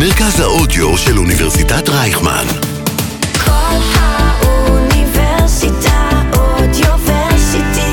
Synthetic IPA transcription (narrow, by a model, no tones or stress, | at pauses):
meʁkazhaʔodjoʃeluniveʁsitatʁajχma̰n | kʰolhaʔuniveʁsitaod̪joveʁsiti